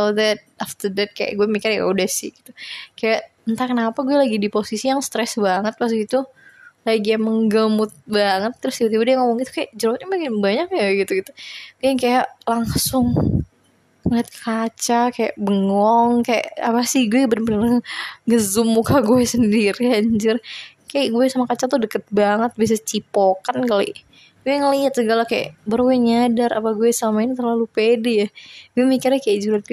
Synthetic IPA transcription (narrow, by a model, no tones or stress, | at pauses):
odɛt̪̚aft̪ərdɛt̪̚kaja̰ʔɡuɛmikɪrja̰udɛhsɪ̰hɡit̪ukajaʔ | ənt̪akənapaɡuɛlaɡidiposisijaŋst̪ɾɛsbaŋət̪̚pas̬ɡit̪u | laɡijaməŋɡəmʊt̪̚baŋət̪ːəɾʊsiut̪ibadɛjaŋomɔŋɡit̪u̥kajaʔd͡ʒəɾot̪̚ɲabekɪnbaɲak̚jaɡit̪uɡit̪u̥kŋkajaʔlaŋsʊŋ | mat̪̚kkat͡ʃakaja̰ʔbəŋɔŋkaja̰ʔapasɪhɡuɛɡbənpənaaŋaɡəzʊmːukaɡuɛsəndiɾihaɲd͡ʒʊr | kajaʔɡuɛsamakat͡ʃat̪udəkət̪̚baŋət̪̚bis̬at͡ʃipokankalḭʔ | ɡuɛŋəliat̪̚səɡalakaja̰ʔbərwɛɲadaɾʔa̰paɡuɛsamainit̪ərlalupedɛjaɡuɛmikɪrɲakajaʔd͡ʒuɾat̪̚ɡ